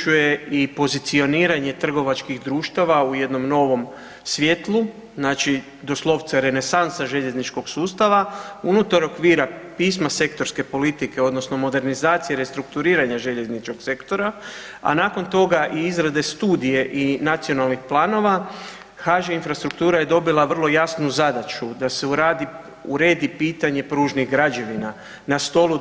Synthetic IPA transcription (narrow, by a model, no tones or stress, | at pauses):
uje̞ipo̞zit̪sio̞niːɾaɲe̞t̪r̩ɡo̞ʋat͡ʃkiɣd̪ɾuːʃt̪aʋauje̞d̪no̞mno̞ːʋo̞m | sʋjet̪lˠu | znaːt͡ʃi | d̪o̞slˠo̞ʋt̪saɾe̞ne̞sansaʒe̞ʎe̞znit͡ʃko̞ɡsuːst̪aʋaunut̪aɾo̞kʋiːɾapiːsmase̞kt̪o̞ɾske̞po̞lit̪ike̞o̞d̪no̞sno̞mo̞d̪e̞ɾnizaːt̪sijeɾe̞st̪ɾukt̪uɾiːɾaɲaʒe̞ʎe̞znit͡ʃko̞kse̞kt̪o̞ɾa | a̰naːko̞nt̪o̞ɡaʔiizɾad̪e̞st̪uːd̪ije̞ʔinat̪sio̞nalˠnixplˠaːno̞ʋa | xaʒainfɾast̪ɾukt̪uːɾaje̞d̪o̞bilˠaʋr̩lˠo̞jasnuzad̪at͡ʃud̪ase̞uɾaːd̪i | uɾe̞ːd̪ipiːt̪aɲe̞pɾuːʒniɣɡɾad͡ʑe̞ʋina | nast̪o̞lu